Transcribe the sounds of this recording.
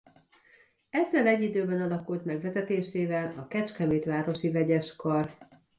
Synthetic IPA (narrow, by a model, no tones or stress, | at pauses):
ɛzːɛlɛɟːid̪øːbɛnɒlɒkult̪mɛɡʋɛzɛt̪eːʃeːvɛlɒkɛt͡ʃkɛmeːt̪ʋaːɾo̞ʃivɛɟɛʃkɒr